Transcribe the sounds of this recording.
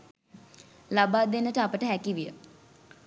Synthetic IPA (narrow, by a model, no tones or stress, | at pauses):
labaːd̪enəʈaːpəʈəɦɛkiʋijə̰